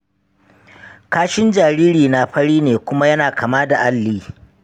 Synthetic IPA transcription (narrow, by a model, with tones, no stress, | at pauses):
kaː˦ʃɪ˦nd͡ʒaː˨ɾiː˦ɾiː˨na˦ɸɐ˦ɽiː˦neː˨kʷʊ˦ma˦jɐ˦naː˨kʰa˨maː˦da˨ʔa˦lːiː˦